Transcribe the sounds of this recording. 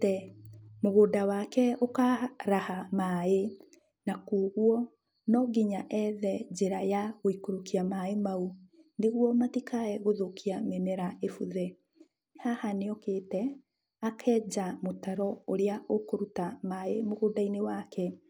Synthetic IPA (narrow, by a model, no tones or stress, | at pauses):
tɛmoɣoːdawakɛokaɾahamaːe | nakuːɣwɔ | nɔɡiɲaʔɛðɛd͡ʑeɾajaɣoikoɾokiamaemauneɣuɔmatikaɛɣoðokiamemɛɾaefuðɛ | nhahaneɔketɛ | akʰɛːd͡ʒamotaɾɔoɾeaʔokoɾutamaemoɣodainewakɛ